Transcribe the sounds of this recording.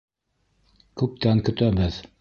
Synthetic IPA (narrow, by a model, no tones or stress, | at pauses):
kʉp̚t̪æŋkɵ̆t̪æbɘð